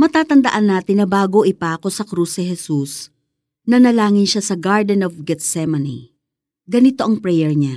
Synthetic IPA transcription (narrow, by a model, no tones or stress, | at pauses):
mɐt̪aːt̪ɐnd̪ɐʔanːaːt̪ɪnːɐbaːɡoʔɪpaːko̞sɐkɾusnɛɦɛsus | nɐnɐlaːŋɪnʃasɐɡaɹd̪ɛnovɡɛt̪sɛmɐnḭ | ɡɐnɪt̪o̞ʔɐŋpɾɛjɛɹɲa